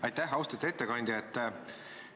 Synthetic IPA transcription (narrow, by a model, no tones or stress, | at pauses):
ɑjt̪ːæɦɑwst̪ɑt̪et̪ːekɑnʲd̪ʲiet̪ˑː